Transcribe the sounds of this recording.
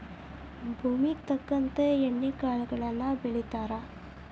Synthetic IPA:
bʱuːmikt̪ɐkːɐnt̪ɐɛɳːikaːlɡɐɭɐlːãːbɪɭɪt̪ːaːɾaː

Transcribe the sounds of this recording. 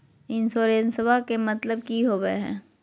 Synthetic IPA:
ɪnsoːɾeːnsəʋakemɐt̪ləb̚kiɦoːɡəɦɛ̰̃ː

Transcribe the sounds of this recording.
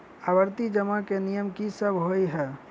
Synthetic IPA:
abəɾt̪id͡ʒəmakenijəmkisəbʱɦoiɦɛː

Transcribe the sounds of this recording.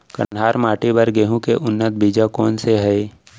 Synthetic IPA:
kə̰ɦaːɾmaːʈibəɾɡeːɦũkeʔʊnːət̪̚biːd͡ʒakɔːnseɦɛe

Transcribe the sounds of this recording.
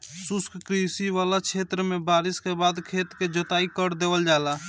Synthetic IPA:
sʊskkɾisiʋaːlat͡ʃʰeːt̪ɾəmẽbaːɾɪskebaːd̪kʰeːt̪ked͡ʒət̪aːikəɾd̪eːʋəld͡ʒaːlaː

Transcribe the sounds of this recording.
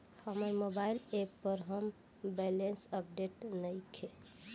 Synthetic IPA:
həməɾmobailepːəɾɦəm | bɛlensəp̚ɖeʈnəjkʰe

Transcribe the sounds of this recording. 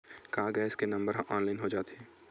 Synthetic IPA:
kaːɡɛːskenɐ̃mbəɾɦʔɔːnlaːɪnɦod͡ʒaːt̪ɦɛ̃ː

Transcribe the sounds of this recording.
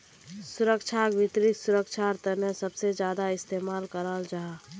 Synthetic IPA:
sʊɾəkʃʰaɡʋɪt̪ɾɪksʊɾəkt͡ʃʰaɾt̪ənəsəbsed͡ʒjaːd̪aɪst̪eːmaːlkəɾald͡ʒaɦa

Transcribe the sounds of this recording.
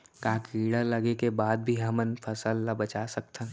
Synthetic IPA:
kãːkiːɽələɡekebaːd̪̚bʱiɦɐmənpʰəsəlːabət͡ʃasək̚t̪ʰə̃

